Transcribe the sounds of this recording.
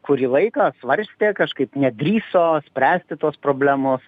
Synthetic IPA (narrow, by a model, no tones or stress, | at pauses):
kʊɾʲiːlˠɐɪkɑːsʋɐɾʲsʲt̪ʲeːkɐʃkɐɪpnʲɛd̪ʲɾʲiːsoːsʲpʲɾʲæːsʲt̪ʲɪt̪uɔspɾoːbʲlʲæːmoːs